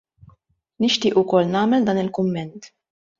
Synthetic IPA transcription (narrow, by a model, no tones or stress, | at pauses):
nɪʃt̪ɪːʔʊkɔlːnɐːmɛld̪ɐːnɪlkʊmːɛnt̪